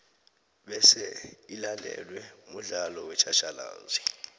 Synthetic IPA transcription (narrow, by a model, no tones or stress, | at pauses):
ɓɛsɛilandʱɛ̰lwɛmuɮalɔwɛt͡ʃʰaʃala̰ːzi